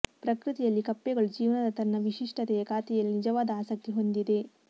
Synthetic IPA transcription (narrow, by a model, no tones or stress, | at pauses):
pɾɐkɾɨt̪ɛjɐlːikɐpːɛɡɐɭud͡ʒiːʋnɐd̪ɐt̪ɐnːɐʋiʂiʂʈɐt̪ɛjɐkaːt̪ɛjɐlːinid͡ʒɐʋaːd̪ɐaːsɐk̚t̪iɦo̞nd̪id̪e̞